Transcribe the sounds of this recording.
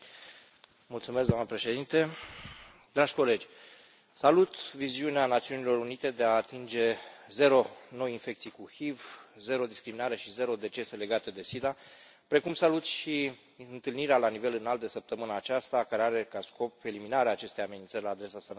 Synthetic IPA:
mult̪sumesɡd̪oamnəpɾe̞ʃe̞d̪int̪e̞ | d̪ɾaʒ̥ʲko̞le̞d͡ʒʲ | salut̪viziuneanat̪siunilo̞ɾunit̪e̞d̪e̞aːt̪ind͡ʒe̞ze̞ɾo̞no̞jinfe̞k̚t̪sijkuhivze̞ɾo̞d̪iskɾiminaɾe̞ʃize̞ɾo̞d̪e̞t͡ʃe̞se̞le̞ɡat̪e̞d̪e̞sid̪a | pɾe̞kumsalut̪ʃi | ɨnt̪ɨlniɾealanive̞lɨnalt̪̚d̪esəp̚t̪əmɨnaːt͡ʃast̪akaɾeaɾe̞kasko̞pe̞liminaɾeaːt͡ʃe̞st̪ejame̞nint̪sərʲlaːd̪ɾe̞sasənə

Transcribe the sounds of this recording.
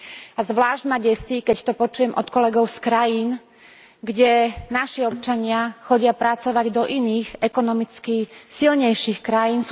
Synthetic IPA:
azʋlaːʒɟmaɟɛsikɛct̪ɔpɔt͡ʃujɛmʔɔ̰t̪kɔlɛɡɔʊskɾajiːn | ɡɟɛnaʃiɔp̚t͡ʃaɲɪaxɔɟɪapɾat͡sɔʋaɟd̪ɔʔiniːɣɛkɔnɔmit͡skisilɲɛjʃixkɾajiːns

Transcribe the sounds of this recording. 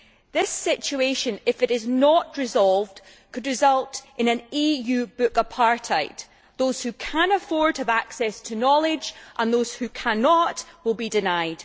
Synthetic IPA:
ðɪsɪt͡ʃʉeʃə̃nɪfɪʔɪznəʔɹɪzɔlˠvd̥ | kʰɨdɹɪzʌlˠtʔɪ̃nə̃nijʉːbʉkəpʰaɹʔʰaɪʔ | ðoz̥hʉkʰə̃nəfɔɹd̚həvaksɛstʰənɔlˠɪd͡ʒʔə̃nðoz̥hʉkʰanɔʔwɪlˠbidɪnaɪd̥

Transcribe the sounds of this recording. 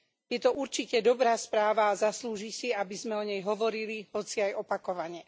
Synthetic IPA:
jɛt̪ɔʔuɾt͡ʃicɛd̪ɔbɾaːspɾaːʋaːzasluːʒisiabizmɛɔɲɛjɦɔʋɔɾiliɦɔt͡siajɔpakɔʋaɲɛ

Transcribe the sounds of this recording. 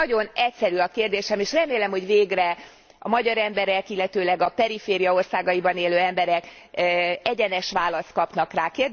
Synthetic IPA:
ɒɟo̞nɛcsɛɾyɒkeːrd̪eːʃɛmeːʃrɛmeːlɛmho̞ɟveːɡrɛ | ɒmɒɟɒɾɛmbɛɾɛkilːɛt̪øːlɛɡɒpɛɾifeːɾijɒo̞rsaːɡɒjibɒneːløːɛmbɛɾɛk | ɛɟɛnɛʃʋaːlɒst̪̚kɒpnɒkraːkeːrd̪

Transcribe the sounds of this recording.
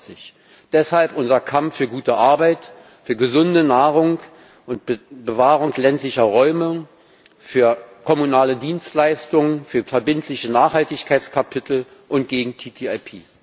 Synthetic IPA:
t͡sɪç | d̥ɛshalpʔʊnzɐkʰamfyːɐɡuːtəʔaɐbaɪt | fyːɐɡəzʊndənaːʁʊŋ | ʔʊntbəvaːʁʊŋklɛntlɪçɐʁɔʏmə | fyːɐkʰɔmunaːlədiːnstlaɪstʊŋənfyːɐfɛɐbɪntʰlɪçənaːχhaltɪçkʰaɪt͡skʰapʰɪtʰl̩ | ʔʊntɡ̥eːɡŋ̩tʰiːtʰiːaɪpʰiː

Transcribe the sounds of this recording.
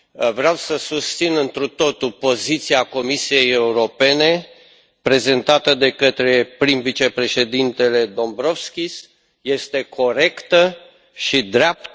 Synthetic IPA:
vɾeawsəsust̪sinɨnt̪ɾut̪o̞t̪upo̞zit̪siako̞misije̞je̞uɾo̞pe̞ne̞ | pɾe̞ze̞nt̪at̪əd̪e̞kət̪ɾe̞pɾimvit͡ʃe̞pɾe̞ʃe̞d̪int̪e̞le̞d̪o̞mbɾo̞vskʲis | je̞st̪e̞kʰo̞ɾe̞kt̪ə | ʃid̪ɾeap̚t̪

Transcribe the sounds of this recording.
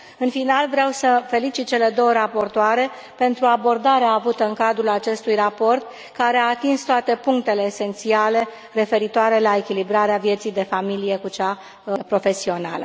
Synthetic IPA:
ɨnfinalvɾeawsəfe̞lit͡ʃit̪̚t͡ʃe̞le̞d̪o̞wəɾapo̞rt̪oaɾe̞ | pe̞nt̪ɾuabo̞rd̪aɾeaːvut̪əɨŋkad̪ɾulat͡ʃe̞st̪ujrapo̞rt̪̚ | kaɾe̞aːt̪inst̪oat̪e̞puŋk̚t̪e̞le̞ːse̞nt̪siale̞ | re̞fe̞ɾit̪oaɾe̞lae̞kʲilibɾaɾeavje̞t̪sijd̪e̞familije̞kut͡ʃa | pɾo̞fe̞sio̞na̰lə̰

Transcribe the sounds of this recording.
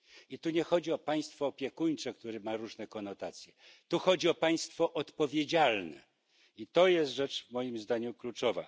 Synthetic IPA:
it̪uɲɛxɔd͡ʑiɔpaj̃st̪fɔːpʲjɛkuɲt͡ʂɛkt̪uɾɘmaɾuʐnɛkɔnɔt̪at̪sʲjɛ | t̪uxɔd͡ʑiɔpaj̃st̪fɔʔɔt̪pɔvʲjed͡ʑalnɛ̰ | it̪ɔjɛst̪ʐɛt͡ʂvmɔjimzd̪aɲuklut͡ʂɔva̰

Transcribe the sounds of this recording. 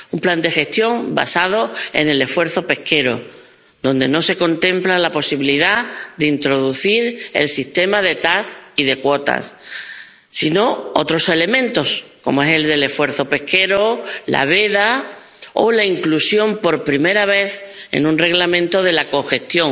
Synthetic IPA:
umpland̪e̞xe̞st̪jo̞ŋba̰sað̞o̞e̞̰ne̞le̞fwe̞ɾθo̞pe̞hke̞ɾo̞̰ | d̪õ̞nd̪e̞̰no̞se̞ko̞nt̪ẽ̞mplalapo̞siβiliðad̪eint̪ɾo̞ðuθiɾe̞̰lsist̪emað̞e̞t̪asiðe̞kwo̞t̪a̰sː | ino̞ot̪ɾo̞sele̞mẽ̞nt̪o̞skomoe̞se̞ld̪e̞le̞fwe̞ɾθo̞pe̞hke̞ɾola̰βe̞ða | o̰laiŋklusjo̞mpo̞ɾpɾime̞ɾaβ̞e̞θe̞̰nũnre̞ɣlamẽnt̪o̞ðe̞lako̞xe̞st̪jo̞ŋ

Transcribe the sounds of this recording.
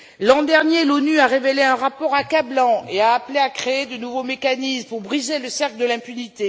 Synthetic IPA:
lɑ̃d̪ɛʁnjelonyaʁeveleɛ̃ʁapɔʁakablɑ̃eaːpleakχeːd̪ənuvomekanismpuʁbʁizeləsɛʁkld̪əlɛ̃pynit̪e

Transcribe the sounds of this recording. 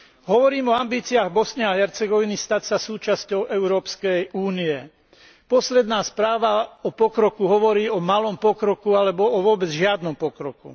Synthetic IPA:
ɦɔʋɔɾiːmɔambiːt͡siaːɣbɔsɲɛaɦɛɾt͡sɛɡɔʋinist̪acsasuːt͡ʃascɔʊʔɛʊɾɔːpskɛjuːniɛ | pɔslɛd̪naːspɾaːʋaɔpɔkɾɔkuɦɔʋɔɾiːɔmalɔmpɔkɾɔkualɛbɔɔʋʊɔbɛd͡zʒɪad̪nɔmpɔkɾɔkṵ

